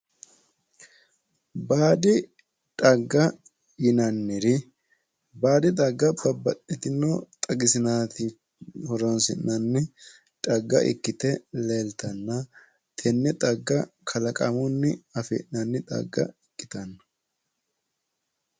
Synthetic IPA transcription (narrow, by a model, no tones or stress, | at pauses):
baːd̪ɪ | t̪ʼɐɡːɐ | jɪnɐnːɪɾɪ | baːd̪ɪt̪ʼɐɡːɐbɐbːɐtːɪt̪ɪnːɔt̪ʼɐɡɪsɪnaːt̪ɪ | hɔɾɔnsɪ̰nːɐnːɪ | t̪ʼɐɡːɐ̰ʔɪ̰kːɪt̪ɛleːlt̪ɐnːɐ | t̪ʰɛnːɛt̪ʼɐɡːɐkʰɐlɐkʼɐ̰mʊnːɪɐfɛ̰nnɐnːɪt̪ʼɐ̰ɡːɐ̰ɪkːɪ̥t̪ɐnːɐ̥